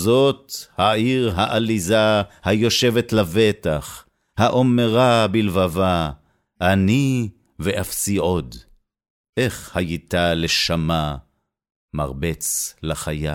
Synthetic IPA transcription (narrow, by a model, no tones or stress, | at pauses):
zo̞t̪haiʁɦaʔalizahajo̞ʃe̞vet̪lavet̪aχ | haʔo̞meʁabilvava | ʔːni | veʔafsiʔo̞d̪ | ʔe̞χhajit̪aleʃama | ma̰ʁbet͡slaχaja